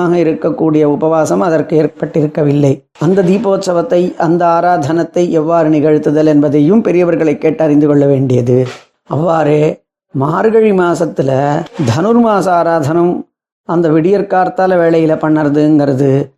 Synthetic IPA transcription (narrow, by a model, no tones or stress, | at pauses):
aːɣɐɪɾɯkːɐkːuːɽɪjɐʊbɐʋaːsɐmɐðɐɾkɯeːɾpɐʈːɪɾɯkːɐʋɪlːɐɪ | ɐnd̪ɐd̪iːpoːt̪sɐʋɐt̪ːɐɪʔɐnd̪ɐaːɾaːd̪ʱɐnɐt̪ːɐɪʔɛʋːaːɾɯnɪɣɐɻt̪ːɯðɐlɛnbɐðɐjɯmpɛɾɪjɐʋɐɾɣɐɭɐɪkːeːʈːɐɾɪnd̪ɯkɔɭːɐʋeːɳɖɪjɐðɯ | ɐʋːaːɾeː | maːɾɯɣɐɻimaːsɐt̪ːɪlɐd̪ʱɐnɯɾmaːsɐaːɾaːd̪ʱɐnɐm | ɐnd̪ɐʋɪɽɪjɐɾkaːɾt̪aːlɐʋeːɭɐjɪlɐpɐɳːɐɾɐðɯɛnɡɪɾɐðɯ